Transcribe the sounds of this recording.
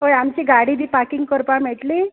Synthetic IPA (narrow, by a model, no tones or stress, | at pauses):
ɦojamt͡ɕiːɡaɽid̪ʱiːpakiŋɡ̚kəɾpam̤eʈliː